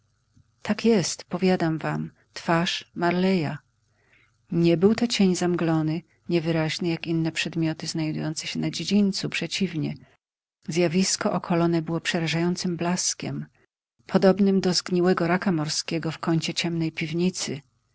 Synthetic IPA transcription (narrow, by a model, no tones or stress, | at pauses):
t̪akjɛst̪pɔvʲjad̪amvam | t̪faʂmaɾlɛja | ɲɛbɘwt̪ɔt͡ɕeɲzamɡlɔnɘ | ɲɛvɘɾaʑnɛjakinːɛpʂɛd̪mʲjɔt̪ɘznajd̪ṵjɔnt̪sɛɕɛnad͡ʑed͡ʑiɲʲt̪supʂɛt͡ɕivɲɛ | zʲjavʲiskɔʔɔkʰɔlɔnɛbɘwɔpʂɛɾaʐajɔnt̪sɘmblaskʲɛ̰m | pʰɔd̪ɔbnɘmd̪ɔzɡɲiwɛɡɔɾakamɔɾskʲɛɡɔfkɔɲt͡ɕɛt͡ɕɛmnɛjpʲivɲit̪sɘ